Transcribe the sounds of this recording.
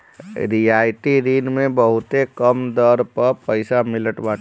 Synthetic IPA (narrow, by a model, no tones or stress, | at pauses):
ɾiaːɪʈiɾiːnmẽbəɦʊt̪ekɐmd̪əɾpəɾpəɪsamɪləʈbaː